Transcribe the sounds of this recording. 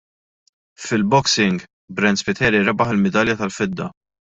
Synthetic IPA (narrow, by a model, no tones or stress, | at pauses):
fɪlbɔksɪŋɡ | bɾɛnd̪spɪt̪ʰɛːɾiɾɐbɐħɪlmɛd̪ɐljɐt̪ɐlfɪd̪ːɐ